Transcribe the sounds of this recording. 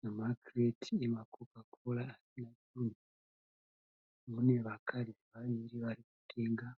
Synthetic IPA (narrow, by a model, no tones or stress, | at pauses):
namakretʰiemakokakʰolaːsinad͡ʒuːni | mune̞ʋakʰariʋaɲiɾiʋariku̥teːŋɡa